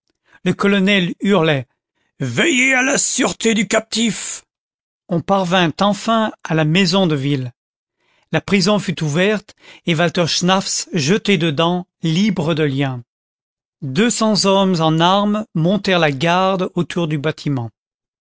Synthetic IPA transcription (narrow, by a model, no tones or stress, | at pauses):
ləkɔlɔnɛlyʁlɛ | vɛjealasyʁt̪ed̪ykap̚t̪if | ɔ̃paʁvɛ̃t̪ɑ̃fɛ̃alamɛzɔ̃d̪əvil | lapχizɔ̃fyt̪uvɛʁt̪evalt̪ɔʁʃnafsʒət̪ed̪əd̪ɑ̃libʁəd̪əljɛ̃ | d̪øsɑ̃zɔmzɑ̃naʁmmɔ̃t̪ɛʁlaɡaʁd̪ot̪ʰuʁd̪ybat̪ʰimɑ̃